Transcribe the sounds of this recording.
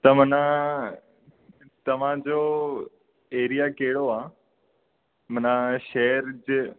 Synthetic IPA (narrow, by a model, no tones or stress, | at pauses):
t̪ɐm̤ɐnã | t̪ɐʋ̤ãd͡ʑo | eːɾijakɐɦɪɽoaː | mɐnãʃeːɾd͡ʑɪ